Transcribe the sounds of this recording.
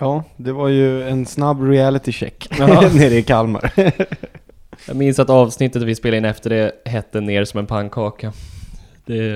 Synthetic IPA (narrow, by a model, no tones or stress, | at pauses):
jɑːd̪ɛvaɾjɵɛnsnabːɾɪælɪt̪ɪɕɛ̰kːneːɾɛɪkʰalma̰ɾ | jɑ̰ːɡmɪnsat̪ɑːvsnɪt̪ːət̪vɪspeːlaɪnɛft̪əɖɛɦɛt̪ːəneːɾʂɔmɛnpʰaŋkʰɑːka | d̪̥ɛ